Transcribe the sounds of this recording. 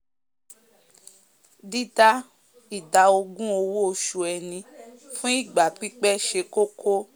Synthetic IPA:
di˦ta˦ | i˨da˨o˧ɡũ˦o˧wo˦o˧ʃu˧ɛ˧nĩ˧fũ˦i˦˨ɡ͡ba˨k͡pi˦k͡pɛ˦ʃe˧ko˦kʰo˦

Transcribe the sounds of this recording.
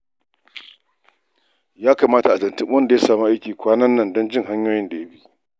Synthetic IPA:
jaː˦kaː˨maː˦ta˨ʔa˨zɐ˨ntɪ˦mwɐ˦nda˨ja˦saː˨mu˦ʔa˦jkʲiː˨kʷaː˦nɐ˦nːɐ˦˨ndɔ˦nd͡ʒɪ˦ŋɦa˦ɲjoː˦jɪ˦nda˨ja˦ɸi˦ʔ

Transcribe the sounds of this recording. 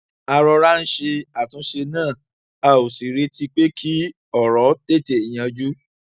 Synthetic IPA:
a˧ɾɔ˧ɾa˦n̩˦ʃe˧a˨tũ˨˦ʃe˧nãː˦˨ | a˨o˨si˨ɾe˧˦tʰi˧k͡pe˦kʰi˦ | ɔ˦˨ɾɔ˨˦te˦˨te˨i˨j̃ã˧d͡ʒu˦

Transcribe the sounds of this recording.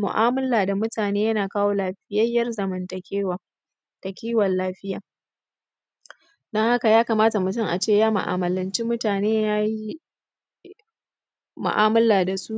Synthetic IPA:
mʊ̰˨ʔaː˦mɐ˦laː˨da˨mʊ˦taː˨neː˦jɐ˦naː˨kaː˦woː˦la˦ɸɪ˦jɐ˦jːɐ˦rzɐ˨mɐ˨ntɐ˨kʲeː˦wa˨ | tɐ˨kʲiː˦wɐ˨lːaː˦ɸɪ˦jaː˨ | dɐ˦ŋha˦ka˨jaː˦ka˨maː˦ta˨mʊ˨tʊ˦ŋʔa̰˨t͡ʃeː˦˨jaː˦mʊ̰˨ʔa̰˨mɐ˨lɐ˨nt͡ʃi˦mʊ˦taː˨neː˦jaː˦ji˦ | mʊ̰˨ʔaː˦mɐ˦laː˨da˨su˦ʔ

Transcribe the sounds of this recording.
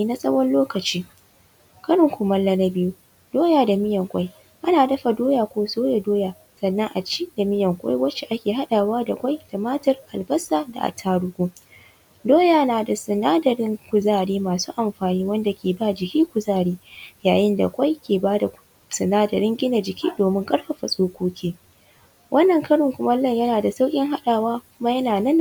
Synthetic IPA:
iː˦na˦sʼɐ˦wɐ˦nloː˦kɐ˨t͡ʃiː˦ | kɐ˦ɽʊ˨ŋkʷʊ˨mɐ˦lːɐ˦nɐ˦bɪ˦ju˦ | doː˦jaː˨da˨mɪ˦jɐ˨ŋkʷʼa˦j | ʔa˦naː˨dɐ˦ɸa˨doː˦jaː˨kʷoː˦soː˦ja˨doː˦jaː˨ | sɐ˨nːɐ˦ŋʔa˨t͡ʃiː˦da˨mɪ˦jɐ˨ŋkʷʼa̰˦jwɐ˦t͡ʃe˨ʔa˦kʲeː˨ɦa˦ɗaː˨waː˦da˨kʷʼa˦jd̥a˨maː˦tɐ˨rʔa˨lbɐ˦saː˨da̰˨ʔa̰˨tʰaː˦ɽʊ˦ɡʷoː˦ | doː˦jaː˨naː˨da˨sɪ˨naː˦dɐ˨ɾɪ˦ŋkʷʊ˨zaː˦ɽiː˦maː˨suː˦ʔa˨mɸaː˨niː˦wɐ˦nda˨kʲeː˨baː˦d͡ʒɪ˨kʲiː˦kʷʊ˨zaː˦˨ɽiː˦jaː˨jɪ˦nda̰˨kʷa˦jkʲeː˨baː˦da˨˦ | sɪ˨naː˦dɐ˨ɾɪ˦ŋɡʲɪ˦na˨d͡ʒɪ˨kʲʰiː˦doː˨mɪ˦ŋkʼɐ˦ɽɸa˨ɸa˨sʼoː˦kʷoː˦kʲiː˦ | wʔɐ˦nːɐ˨ŋkɐ˦ɽʊ˨ŋkʷʊ˦mɐ˦lɐ˦ɲjɐ˦naː˨da˨sa˦wkʲʼɪ˦ŋɦa˦ɗaː˨waː˦kʷʊ˦ma˦jɐ˦naː˨nɐ˦n

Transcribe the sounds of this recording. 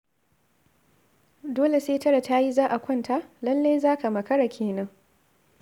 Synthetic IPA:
doː˦le˨seː˦tɐ˦ɽa˨ta˦ji˦zaː˦ʔa˨kʷɐ˦nta˦lɐ˦lːeː˦jzaː˦ka˨mɐ˨kɐ˦ɽa˨kʲʰeː˨nɐ˦ŋ

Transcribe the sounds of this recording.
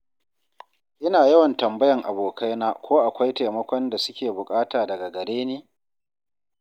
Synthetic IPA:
ʔɪ˦naː˨jɐ˦wɐ˨ntɐ˨mbɐ˦jɐ˨ŋʔa˨boː˨kʰa˦jnaː˦kʷoː˦ʔa˨kʷa˦jta˨jmɐ˦kʷɔ˦nda˨sʊ˦kʲeː˨bʊ˨kʼaː˦taː˨dɐ˨ɡa˨ɡɐ˨ɽeː˦neː˦

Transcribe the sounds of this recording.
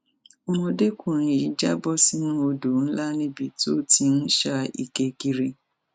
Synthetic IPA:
o˦mɔ̃˨de˦kʷu˨ɾ̃ĩ˨ji˨˦d͡ʒa˦bɔ˦si˦nũ˦o˧do˨n̩˦la˦nĩ˦bi˨to˦ti˨˧n̩˦ʃa˦ʔḭ˨ke˨ki˨ɾe˦

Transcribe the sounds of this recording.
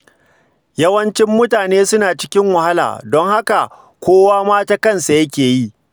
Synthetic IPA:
jɐ˦wɐ˦nt͡ʃɪ˦mːʊ˦taː˨neː˦sʊ˦naː˨t͡ʃɪ̥˦kʲɪ˦ŋwɐ˨ha˦la̰ː˨dɔ˦ŋha˦ka˨ | kʷoː˦waː˦maː˦taː˦kɐ˦nsa˨jɐ˦kʲeː˨ji˦ʔ

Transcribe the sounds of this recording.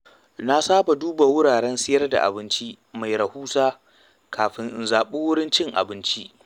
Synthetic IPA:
na˦saː˦ba˨duː˦ba˨wʊ˦ɽaː˨ɽɛ˦nsɪ˦jɐ˦rda̰˨ʔa̰˨bɪ˦nt͡ʃi˦ʔ | ma˨jɾɐ˨huː˦saː˦ | kʰaː˨ɸɪ˨ŋʔɪ˨nzaː˨ɓɪ˦wʊ˦ɽɪ˦nt͡ʃɪ˦ŋʔa̰˨bɪ˦nt͡ʃi˦ʔ

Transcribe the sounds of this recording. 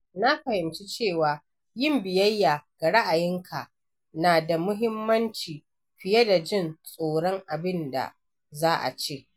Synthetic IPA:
na˦ɸɐ˨hɪ˨mt͡ʃi˦t͡ʃeː˦˨waː˨ | jɪ˦˨mbɪ˨jɐ˦jːaː˨ɡ̥a˨ɽa˦ʔa˨jɪ˦ŋkʰa˨ | naː˨da˨mʊ˦ɦɪ˦mːɐ˦nt͡ʃiː˨ | ɸɪ˨je˦da˨d͡ʒɪ˦nsʼoː˨ɽɔ˦ŋʔa˨bɪ˦nda̰˨ | zaː˦ʔa̰˨t͡ʃeː˦˨ʔ

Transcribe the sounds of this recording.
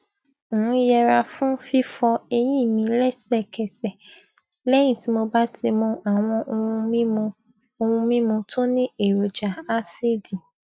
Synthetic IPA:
jɛ˧ɾa˧fũ˦fi˦fɔ˧e˧j̃ĩ˦˨mĩ˧lɛ˦sɛ˦˨kɛ˨sɛ˨ | lɛ˦j̃ĩ˦˨ti˨˦mo˧ba˦tʰi˧mɔ̃˧ʔa˨w̃ɔ̃˧ʔĩ˦mũ˧ | o˧ũ˧mĩ˦mũ˧tʰo˦nĩ˦e˨ɾo˨d͡ʒa˨a˦se˦˨di˨

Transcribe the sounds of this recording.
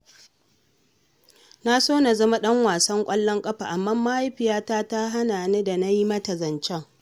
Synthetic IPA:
na˦soː˦na˨zɐ˦ma˦ɗɐ˦ŋwaː˨sɐ˦ŋkʷʼɐ˦lːɔ˦ŋkʼɐ˦ɸa˨ʔa˨mːaː˦mːa˦ʔa˦jɸɪ˨jaː˦taː˦ta˦ɦa˦naː˨neː˦da˨na˦ji˦mɐ˦tɐ˨zɐ˨nt͡ʃɛ˦ŋ

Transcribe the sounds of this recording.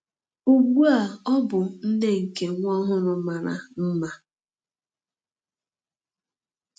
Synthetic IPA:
u˨ɡu˦a˨ɔ˦bʊ˨n̩˦ne˦ŋ̩˨ke˨ŋʷɔ˦ɦʊ˦ɾʊ˨ma˨ɾa̰˨m̩˦ma˦

